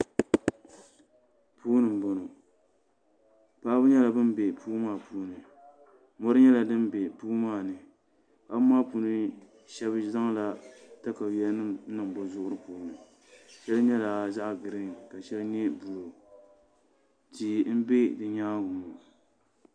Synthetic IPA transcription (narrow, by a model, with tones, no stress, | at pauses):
pʰuː˦nɨ˨m˨bɔ˨no˨ | paː˦bʊ˦ɲɛ˦la˨bɨ˦m˦bɛ˨puː˦maː˦˨pʰuː˦nɨ˨ | mɔ˦ɾɨ˦ɲɛ˦la˨dɨ˦mbɛ˨puː˦maː˦˨nɨ˨ | pa˦bɨ˦maː˦puː˦nɨ˦ | ʃɛ˦bza˦ŋ˦la˨ta˦ka˨jɛ˦lnɨ˦m˦nɨ˨ŋbʊ˨zʊ˦ʔʊ˦ɾɨ˦puː˨˦nɨ˨ | ʃɛ˦lɨ˦ɲɛ˦la˨za˦ʔɡɨ˨ɾɨ˦ŋ˨ka˨ʃɛ˦lɨ˦ɲɛ˦bu˨lo˨ | ti˨m̩˦be˦dɨ˨ɲaː˦ɡʊ˨mɔ˨